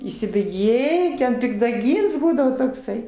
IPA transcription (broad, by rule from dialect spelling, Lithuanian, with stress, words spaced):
iːsʲɪbʲeːˈɡʲeːjɪ tʲɛn pʲɪɡdɐˈɡʲiːns ˈbuːdɐʋoː toːkˈsɐɪ